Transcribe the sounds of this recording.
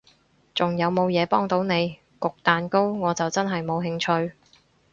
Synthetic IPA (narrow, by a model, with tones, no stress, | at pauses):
t͡sʊ˨ŋjɐ˨˧wmo˨˧wjɛː˨˧pɔː˥ŋt̪o˨˥wne˨˧j | kʊ˨k̚t̪aː˨nko˥wŋɔː˨˧t͡sɐ˨wt͡sɐ˥nɦɐ˨jmo˨˧wɦɪ˧ŋt͡ʃʰɵ˧ɥ